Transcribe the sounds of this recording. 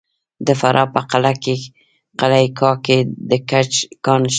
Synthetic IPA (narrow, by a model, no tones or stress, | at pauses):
d̪əfaɾʔɑpəqalake | qalakʰɑked̪əkat͡ʃkɑnʃ